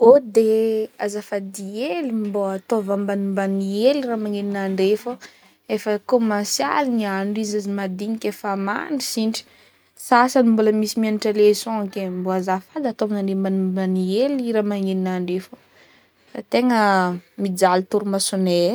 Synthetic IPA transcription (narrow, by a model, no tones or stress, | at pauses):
od̪eazafad̪ielimboat̪ovambanumbanieliramaŋininaɳɖ͡ʐefo | efəkomasja̰liniaɳɖ͡ʐizazimad̪iɲikʲefama̰ɳɖ͡ʐisiɳʈ͡ʂi̥ | sasanimbuləmisimianiʈ͡ʂalesõkemboazafad̪at̪ovnaɳɖ͡ʐembanumbanieliɾamaŋininaɳɖ͡ʐefo̥ | sa̰t̪eŋəmid͡zalit̪uɾumasune